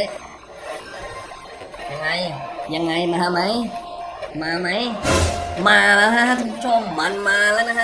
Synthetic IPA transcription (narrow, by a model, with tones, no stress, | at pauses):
ja˧ŋːa˧jja˨˧ŋːa˧jmaː˧ha˧˥ma˦˥j | maː˧˩ma˦˥j | maː˧la˧˥˧a˦˥ha˧˥t̪ʰu˧˦t͡ɕʰo˧˨mma˧˨nmaː˧la˧˥na˧a˦˥